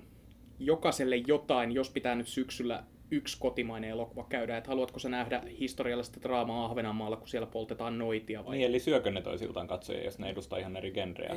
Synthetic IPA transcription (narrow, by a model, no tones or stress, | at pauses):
jokɑselːejjot̪ɑinjospit̪æːnyt̪syksylːæ̰ | ykskot̪imɑineelokuʋɑkæyɾæːet̪hɑluɑt̪kosenæhdæhist̪oriɑlːɑsi̥t̪ːæd̪̥rɑːmɑːɑhʋenɑmɑːlːɑku̥sielːæpolt̪et̪ɑːnnoit̪iɑʋɑmielisyøkønet̪o̰isḭlt̪ɑːŋkɑt̪so̰jɑ̰jo̰sneedust̪ɑ̰ihɑnerikenrḛæ̰